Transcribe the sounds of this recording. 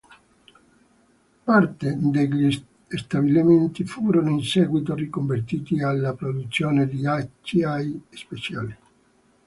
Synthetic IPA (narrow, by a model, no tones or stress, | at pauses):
part̪ed̪eʎi | st̪abiliment̪ifuːɾonoinsɛːɡwit̪̬orikoɱvert̪iːt̪ialːapɾod̪ut̪sːjɔːned̪iat͡ʃːiajspet͡ʃja̰ːli